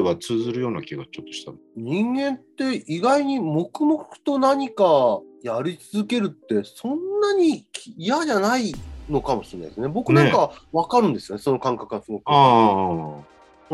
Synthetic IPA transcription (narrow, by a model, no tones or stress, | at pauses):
βat͡sɨːzɨɾɯ̟jo̞ːnakʲiɡat͡ɕo̞t̪ːoɕi̥t̪an | ɲ̟ĩŋɡẽ̞nt̪ːe̞iɡaiɲ̟imo̞kɯ̟mo̞kɯ̟̥t̪o̞naɲ̟ikajaɾʲit͡sɨzɨke̞ɾɯ̟t̪ːe̞sõ̞nːaɲ̟ikʲijaʑanaino̞kamo̞ɕiena̰id̪esɨnebo̞kɯ̟nãŋkaβakaɾɯ̟̃nd̪e̞sɨjo̞neso̞no̞kãŋkakɯ̟nasɨɡo̞kɯa